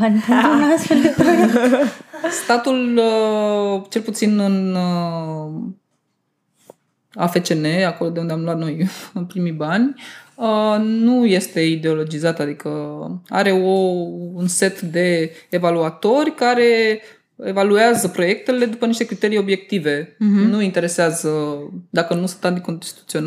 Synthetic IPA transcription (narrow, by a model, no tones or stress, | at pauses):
ananasfe̞ld̪epa | st̪at̪ulə | t͡ʃe̞lput̪sinɨn | a̰fe̞t͡ʃe̞ne̞ako̞lo̞d̪e̞und̪eamluat̪no̞jɨnpɾimibanʲənuje̞st̪e̞id̪eo̞lo̞d͡ʒizat̪ad̪ikəa̰ɾe̞o̞unse̞t̪d̪e̞ːvaluat̪o̞rʲkaɾe̞ | evalueazəpɾo̞je̞k̚t̪e̞le̞d̪upəniʃt̪ekɾit̪e̞ɾijo̞bje̞k̚t̪ive̞nuint̪e̞ɾe̞seazəd̪akənusunt̪ant̪̬iko̞nt̪i̥t̪ut̪siona